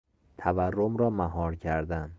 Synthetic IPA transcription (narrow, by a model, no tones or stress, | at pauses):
t̪ʰæværːomɾɒːmæɦɒːɾcʰæɾd̪æn